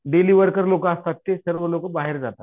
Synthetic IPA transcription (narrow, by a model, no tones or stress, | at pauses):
ɖeliːʋəɾkəɾlokast̪at̪ːesəɾʋəlokəbaɦeɾd͡zat̪a